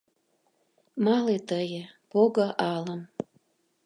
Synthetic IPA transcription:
mɑlet̪əjəpoɣə̆ʔɑləm

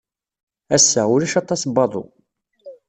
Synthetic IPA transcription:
æsːæʊlæʃɑt̪ˤːɑsbɑðˤo̰

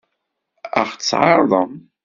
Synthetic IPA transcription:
ə̰χt͡sːʕɑɾˤðˤəm

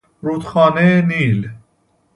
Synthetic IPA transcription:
ɾuːt̪xɑːneniːl

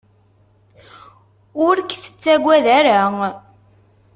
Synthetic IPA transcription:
ʊɾkθə̥t͡sːæɡʷːæðæɾa

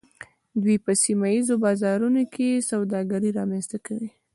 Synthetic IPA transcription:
d̪wipəsimajizobɑzɑɾunokʰesawd̪ɑɡaɾiɾɑmanst̪akawi

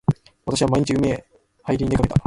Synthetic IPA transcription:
βat̪aɕiβamaiɲ̟it͡ɕiɯ̟me | haiɾʲiɲid̪ekaket̪a

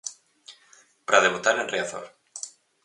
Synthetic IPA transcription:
pɾað̞eβut̪aɾenreaθo̰ɾ

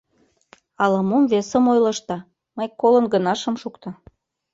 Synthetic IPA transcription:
ɑləmumvesə̆mojlɤ̆ʃt̪ɑ | məjkolə̆nɡənɑʃə̆mʃukt̪ɑ

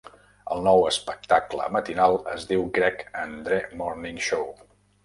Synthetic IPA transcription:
ə̰lˠnɔwəspək̚t̪aklə̰mət̪inalˠəzðiwɡɾɛkənd̪ɾɛmɔrniŋʃow

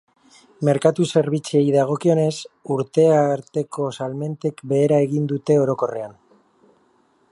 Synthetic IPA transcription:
me̞ɾkat̪use̞ɾβ̞it͡siejðaɣ̞o̞kio̞ne̞suɾt̪e̞aɾt̪e̞kʰo̞salme̞nt̪e̞kbe̞ːɾae̞ɣind̪ut̪e̞o̞ɾo̞ko̞re̞an

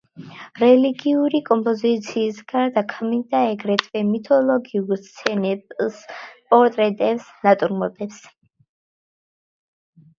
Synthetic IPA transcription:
ɾɛliɡiuɾikʼɔmpʼɔzit̪sʰiːsɡaɾd̪akʰmid̪aɛɡɾɛt̪ʰʼvɛmit̪ʰɔlɔɡiuɾst̪sʰɛnɛpspʼɔɾt̪ʼɾɛt̪ʼɛpsnat̪ʼuɾmɔt̪ʼɛps

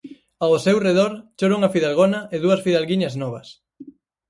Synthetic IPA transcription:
aosewreðoɾt͡ʃoɾuŋɐfiðalɣonɐʔeðuɐsfiðalɣiɲɐznɔβɐs

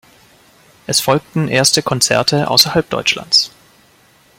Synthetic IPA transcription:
ʔɛsfɔlk̚tn̩ʔeːɐstəkʰɔnt͡sɛ̰ɐtʰəʔa̰ʊsɐhalp̚d̥ɔ̰ʏt͡ʃla̰nt͡s

